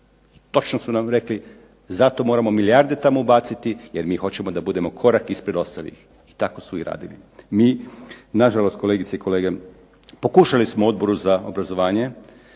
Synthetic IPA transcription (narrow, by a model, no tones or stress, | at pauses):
t̪o̞t͡ʃnosunamɾe̞kli | zat̪o̞mo̞ːɾamo̞miliaɾd̪e̞t̪amoubaːt̪sit̪ijeɾmiːxo̞t͡ɕe̞mod̪abud̪e̞mo̞kʰo̞ɾakispɾe̞d̪o̞st̪alḭx | i̥t̪ako̞suiɾa̰ːd̪ilḭmiːnaʒalo̞st̪̚koleɡit̪seikʰo̞leːɡe | po̞kuːʃalismoo̞d̪̚bo̞ɾuzaobɾazo̞ʋaːɲe̞